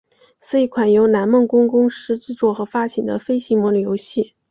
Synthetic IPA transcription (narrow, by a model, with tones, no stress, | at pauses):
sɹ̩˥i˧˥˩kʰwa˨˩njo˧˥ʊna˧˥nmə˥˩ŋkʊ˥ŋkʊ˥ŋʂɻ̩˧˥ʈ͡ʂɻ̩˥˧t͡swɔ˥˩xɤ˧˥fa˥t͡ɕʰi˨˩d̪ə̰˦fe˥ɪɕi˧˥ŋmwɔ˧˥ŋljo˧˥ʊɕi˥˩